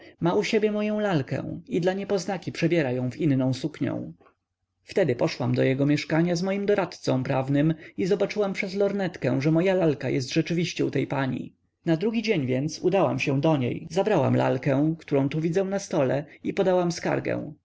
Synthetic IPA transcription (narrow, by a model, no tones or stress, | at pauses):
mauɕebʲjɛmɔjɔ̃w̃lalkɛ̰̃wid̪laɲɛpɔznakʲipʂɛbʲjɛɾajɔ̃w̃vinːɔ̃w̃sukɲɔ̰̃w̃ | ft̪ɛd̪ɘpɔʂwamd̪ɔjɛɡɔmʲjɛʂkaɲazmɔjimd̪ɔɾat̪t̪sɔ̃w̃pɾavnɘmizɔbat͡ʂɘwampʂɛzlɔɾnɛt̪kɛ̃w̃ʐɛmɔjalalkajɛs̬t̪ʐɛt͡ʂɘvʲiɕt͡ɕɛṵt̪ɛjpaɲḭ | nad̪ɾuɡʲid͡ʑeɲvʲjɛnt̪sṵd̪awa̰mɕɛw̃d̪ɔɲḛjzabɾawa̰mla̰lkɛ̃kt̪uɾɔ̃w̃t̪uvʲid̪zɛw̃nast̪ɔlɛ̰ipɔd̪awamska̰ɾɡɛ̰̃w̃